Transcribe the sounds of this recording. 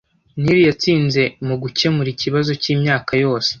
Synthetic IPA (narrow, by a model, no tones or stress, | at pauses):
niɾijat͡siːnze̞muɡuce̞muɾiciβazo̞ciːmɲaːkajo̞ːse̥